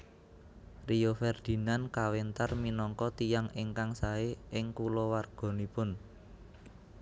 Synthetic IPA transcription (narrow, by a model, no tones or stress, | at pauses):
rijofɛrd̪̥i̤nankawent̪arminɔŋkɔt̪ijaŋɪŋkaŋsaeʔɪŋkulɔwarɡ̥ɔ̤nipʊn